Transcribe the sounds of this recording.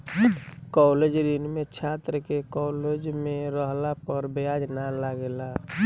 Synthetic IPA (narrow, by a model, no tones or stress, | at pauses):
kɔled͡ʒɾinmet͡ʃʰat̪ɾəkekɔːled͡ʒmẽɾəɦlapəɾbjad͡ʒnalaɡela